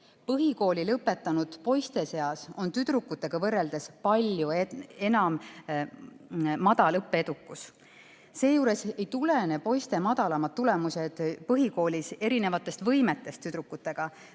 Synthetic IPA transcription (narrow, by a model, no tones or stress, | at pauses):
pɤɦiko̞ːlʲilɤpːˑe̞t̪ːˑɑnud̪̥po̞jst̪e̞se̞ɑso̞nt̪yd̪̥ɾukːˑut̪ːˑe̞ɡ̥ɑvɤrːe̞ld̪̥e̞spɑlʲjuee̞nɑm | ɑd̪̥ɑlɤpːeed̪̥ukːˑus | se̞ːjuːɾe̞se̞jt̪ule̞ne̞po̞jst̪e̞mɑd̪̥ɑlɑmɑt̪̚tːule̞muse̞d̪̥pɤɦiko̞ːlʲise̞ɾine̞vɑt̪ːˑe̞st̪vɤjme̞t̪ːˑe̞st̪ːyd̪̥ɾukːˑut̪ːˑe̞ɡ̥ɑ